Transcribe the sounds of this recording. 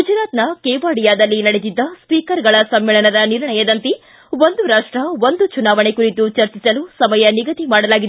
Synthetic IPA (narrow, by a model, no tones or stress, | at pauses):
ɡud͡ʒɾaːt̪nɐkeːʋaːɽijaːd̪ɐlːinɐɽed̪id̪ːɐspiːkɐɾɡɐɭɐsɐmːɛːɭɐnɐd̪ɐniɾɳɐjɐd̪ɐnt̪i | ʋond̪uɾaːʂʈɾɐʋond̪ut͡ʃunaːʋɐɳekuɾit̪ut͡ʃɐɾt͡ʃisɐlusɐmɐjɐniɡɐt̪imaːɽɐlaːɡid̪